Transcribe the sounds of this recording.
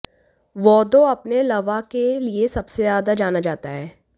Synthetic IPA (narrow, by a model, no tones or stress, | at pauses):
ʋɔːd̪oɐpnelɐʋakeliesɐbsezaːd̪ad͡ʒaːnad͡ʒaːt̪aɦɛː